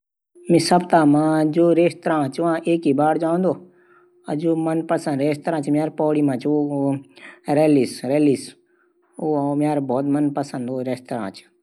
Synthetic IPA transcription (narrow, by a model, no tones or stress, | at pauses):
mĩsəbt̪aːmãːd͡ʒoːɾeːst̪ɾãːt͡ʃʋãːʔeːkiːbaːɽd͡ʒaːʊ̃ːnd̪oː | əd͡ʒoːmənpəsə̃nd̪ɾeːst̪əɾãːt͡ʃmjaːɾpɔːɽiːmãːt͡ʃʰo | ɾeːliːsɾeːliːs | oːmjaːɾbʱɔːt̪mənpəsə̃nd̪oːɾeːst̪ɾã̰ːt͡ʃ